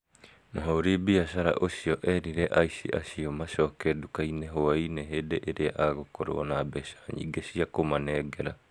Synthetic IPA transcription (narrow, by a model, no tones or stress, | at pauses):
naɦoɾibiasaɾa̰ʔosiɔʔɛɾiɾɛʔaisḭʔa̰siomasɔːkɛdukainɛɦoainɛɦedeʔeɾeaʔaːɡokɔɾo̰nabɛsḁɲḭɡesiakomanɛɡɛɾa